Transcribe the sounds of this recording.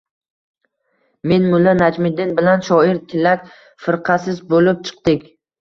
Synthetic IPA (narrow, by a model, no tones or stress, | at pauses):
me̞nmʊlːanad͡ʒmɪd̪ːɪnbɪlanʃɒɪɾt̪ʰɪlːak̚ʲ | fɪɾqʰɑsɪzbolɪp̚t͡ʃʰɨ̥qd̪ɪkʲ